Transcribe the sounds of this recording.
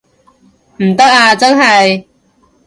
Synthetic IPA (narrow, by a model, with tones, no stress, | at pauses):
m̩˨˩t̪ɐ˥k̚aː˧t͡sɐ˥nɦɐ˨j